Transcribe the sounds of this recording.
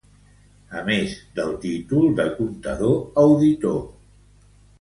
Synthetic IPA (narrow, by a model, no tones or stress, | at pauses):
əmezd̪əlˠt̪it̪ulˠd̪əkunt̪ə̰ðoəwðit̪o